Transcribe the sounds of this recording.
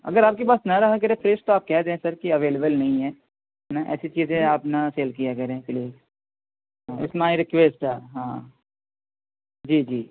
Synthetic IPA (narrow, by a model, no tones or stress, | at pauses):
ɐ̰ɡəɾaːp̚kepaːsnɐɾɐɦak̬ɐɾepʰɾeːsʈt̪oaːp̚kɛɦd̪ẽẽsɐɾkiɐʋeːlebəlnɐɦĩɦɛː | ɦɛnaʔɛ̰ːsit͡ʃiːzẽaːpnɐseːlk̬ijakɐɾẽpliːz | ɦãɪ̰smaːiɾɪkʋeːsʈɦɛːɦãː | d͡ʒiːd͡ʒiː